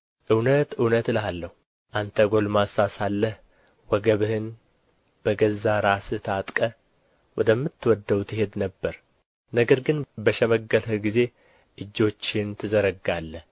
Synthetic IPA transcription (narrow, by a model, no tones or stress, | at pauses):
ʔɨwnət̪ɨwnət̪lalːəhu | ʔant̪ʰəɡo̞lmasasalːəh | wɔɡəβɨhɨn | b̥əɡəzaɾasɨt̪ʰat̪ʼkʼə | wɔd̪əmːɨt̪ːɨwɔd̪ːəwut̪jɪhe̞d̪nəbːəɾ | nəɡəɾɡɨnbəʃɛməɡːəlhɨɡize̞ | ʔɨd͡ʒːo̞t͡ʃːɪnt̪ʰɨzəɾəɡalːə